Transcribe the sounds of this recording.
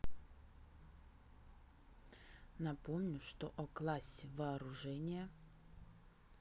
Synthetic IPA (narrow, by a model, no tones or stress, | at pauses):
nɐpomnʲʊʂt̪ɔ̰ʔɔklˠasʲɪvɐːɾʊʐɛnʲɪjɐ